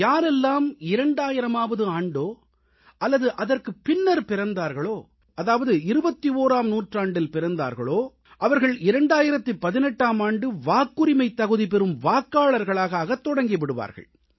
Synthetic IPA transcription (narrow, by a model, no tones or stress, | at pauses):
jaːɾɛlːaːmɪɾɐɳɖaːjɪɾɐmaːʋɐðɯaːɳɖoː | ʔɐlːɐðɯʔɐðɐrkɯpːɪnːɐɾpɪɾɐnd̪aːɾɣɐɭoː | ɐðaːʋɐðɯɪɾɯbɐt̪ːioːɾaːmnuːʈraːɳɖɪlpɪɾɐnd̪a̰ːɾɣɐ̰ɭoː | ʔɐʋɐɾɣɐɭɪɾɐɳɖaːjɪɾɐt̪ːɯpːɐðɪnɛʈːaːmaːɳɖɯʋaːkːɯɾɪmɐɪt̪ːɐɣɯðipɛɾɯmʋaːkːaːɭɐɾɣɐɭaːɣaːɣɐt̪ːɔɽɐŋɡɪʋɪɽɯʋa̰ːɾɣɐ̰ɭ